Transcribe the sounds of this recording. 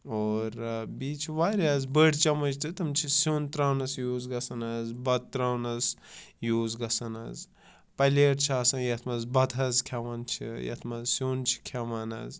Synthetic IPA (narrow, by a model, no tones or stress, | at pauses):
oːɾbiːt͡ʃʰiʋaːɾʲaːzbəɽt͡ʃɐmɐd͡ʒt̪ɨt̪ɐmt͡ʃʰisuːnt̪ɾaːwnɐsjuːzɡɐsɐnɐzbɐd̪̚t̪ɾaːwnɐsjuːzɡɐsɐnɐ̰z | pɐleːɾt͡ʃʰaːsɐnjɐt̪ʰmɐzbɐd̪ɐzkʲʰaʋaːnt͡ʃʰḭjɐ̰t̪ʰmɐzsuːnt͡ʃʰi̥kʲʰaʋaːnɐ̰z